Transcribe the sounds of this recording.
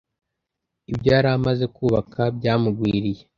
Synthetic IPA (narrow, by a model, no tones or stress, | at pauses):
ibɟaːɾaːmaze̞kuːβakʰab̚ɟaːmuɡwiːɾije̞